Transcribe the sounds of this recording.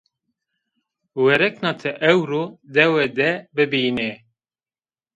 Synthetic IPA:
wɛɾɛknɑːt̪ʰɛʔɛwɾod̪ɛwɛd̪ɛbɨbiːne

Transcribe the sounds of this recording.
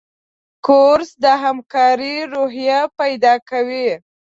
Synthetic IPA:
koɾsd̪əɦamkɑɾiɾoɦjapajd̪ɑkawi

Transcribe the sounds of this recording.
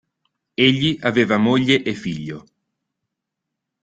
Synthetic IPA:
eʎːiʔaveːvamoʎːeʔefiʎːo

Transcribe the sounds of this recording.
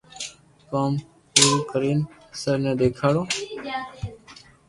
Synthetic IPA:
kaːm | puːɾuːkəɾiːn | səɾnɛ̃ːd̪eːkʰaːɽoː

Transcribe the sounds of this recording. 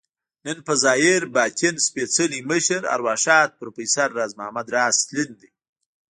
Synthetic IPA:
nənpəzɑːjeɾbɑːk̪ʰenspet͡səliməʃəɾa̰ɾwɑːʃɑːt̪̚pəɾopisaɾːaːzmahamad̪ɾɑːst̪lind̪i

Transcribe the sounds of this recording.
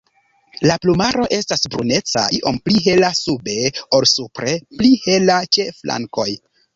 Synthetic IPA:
laplumaɾo̞ʔe̞stasbɾṵne̞t͡sa̰ʔiʔo̞̰mpliɦe̞lasube̞o̞lsupɾe̞plihe̞lat͡ʃeflʔa̰ŋko̞j

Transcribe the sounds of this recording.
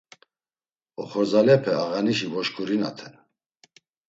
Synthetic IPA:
ɔχɔɾzalɛpʰɛaɣaniʃ̬ivɔʃkʰʼuɾina̰t̪ʰɛn

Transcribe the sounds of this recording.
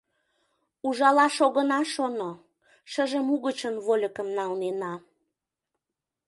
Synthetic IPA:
uʒɑlɑʃoɣənɑʃono | ʃəʒəmuɣət͡ɕənβolʲəkəmnɑlnenɑ

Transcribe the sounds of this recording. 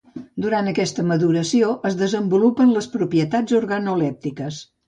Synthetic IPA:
d̪uɾant̪əkɛst̪əməðuɾəsioʔəzðəzəmbulupənləspɾupiət̪ad͡zuɾɣənulɛp̚t̪ikəs

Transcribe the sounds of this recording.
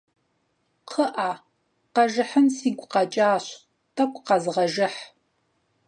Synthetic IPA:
qʰəʔaː | qɐʒɨħənsiːɡʷqɐt͡ʃʼaːɕ | tʰɐkʷʼqɐzɨʁɐʒɪħ

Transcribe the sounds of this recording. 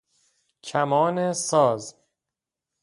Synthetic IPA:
cʰæmɒːnesɒːz

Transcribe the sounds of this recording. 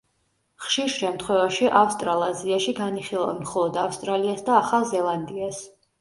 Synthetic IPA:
χʃiɾʃɛmt̪χwɛvaʃiʔafst̪ʼɾalˠaziaʃiɡaniχilˠa̰vmχɔlˠɔd̪afst̪ʼɾaliasd̪aːχalˠzɛlˠand̪ias

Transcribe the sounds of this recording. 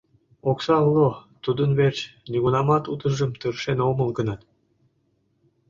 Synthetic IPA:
oksɑlːot̪ud̪ənβert͡ɕniɣunɑmɑt̪ut̪ə̆ʒə̆mt̪ɯrʃenomə̆lɡənɑt̪

